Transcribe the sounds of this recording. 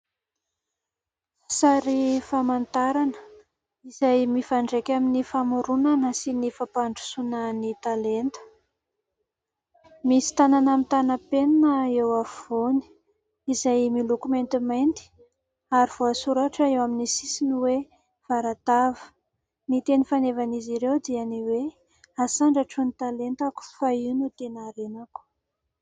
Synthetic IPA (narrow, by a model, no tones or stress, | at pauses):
saɾifamant̪aɾan | izajmifaɳɖ͡ʐekʲaminifamuɾunanəsinifapaɳɖ͡ʐu̥sunənit̪alent̪ə̥ | misi̥t̪ananamit̪anapenanəewaoni̥ | izajmilukument̪imajnt̪i̥ | aɾiv̥oasuɾaʈ͡ʂaewaminisisiniwe | v̥aɾat̪avə̥ | nit̪enifanevaniziɾewd̪ianiwe | asaɳɖ͡ʐaʈ͡ʂunit̪alent̪aku̥fainut̪enaɾenaku̥